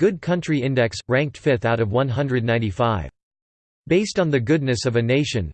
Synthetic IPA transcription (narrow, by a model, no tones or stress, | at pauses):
ɡ̥ʊd̚kʰʌ̃nt͡ʃɹ̥iɪ̃ndɛksɹæ̃ŋk̚tfɪθaʊɾʌvwʌ̃nɦʌ̃ndɹɨdⁿnãɪ̃ntifaɪv̥ | b̥eɪstn̩ðɨɡʊdⁿnɨsʌvɨneɪʃɨ̃n